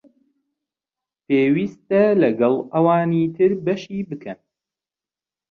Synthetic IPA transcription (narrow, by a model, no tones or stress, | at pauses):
peːwiːst̪ɐlɐɡɐlˠɐwaːniːt̪ʰɨɾbɐʃiːbɨkʰɐn